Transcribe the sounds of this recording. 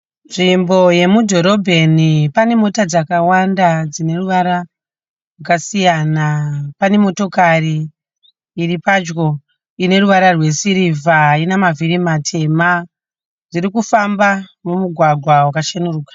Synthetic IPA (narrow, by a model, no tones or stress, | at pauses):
nʐimbo̞je̞mudʱo̞ɾo̞bʱe̞nipane̞mo̞tad͡zakawandad͡zine̞ruʋaɾa | rwakasijanapane̞mo̞to̞kariː | ɾipad͡ʒɡo̞ | ine̞ruʋaɾarwe̞siɾivʱainamaviɾimatʰe̞ma | d͡ziɾikufambamumuɡʱwaɡʱwawakaʃenuruːkḁ